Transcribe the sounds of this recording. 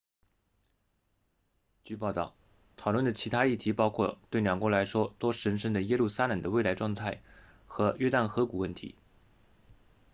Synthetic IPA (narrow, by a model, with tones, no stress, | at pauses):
t͡ɕy˥˧pɑ˥˧ʊt̪ɑ˥˩ʊ | t̪ʰɑ˨˩ʊlwə˥˩nd̪ə˩t͡ɕʰi˧˥t̪ʰa˥i˥˩t̪ʰi˧˥pɑ˥ʊkʰwɔ̰˥˩t̪we˥˩ɪljɑ˨˩ŋkwɔ˧˥la˧˥ɪʂwɔ˥t̪wɔ˥ʂə˧˥nʂə˥˩ŋd̪ə˩jɛ˥lu˥˩sa˥lə˨˩ŋd̪ə˦we˥˩ɪla˧˥ɪʈ͡ʂwɑ˥˧ŋt̪ʰa˥˩ɪ | xɤ˧˥ɥɛ˥t̪a˥˩nxɤ˧˥ku˨˩wə˥˩nt̪ʰḭ˧˥